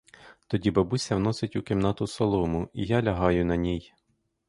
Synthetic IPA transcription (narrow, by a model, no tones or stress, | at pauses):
t̪ɔdʲibɐbusʲɐwnɔsɪtʲʊkɪmnɑt̪ʊsɔlˠɔmʊijɑlʲɐɦɑjʊnɐnʲij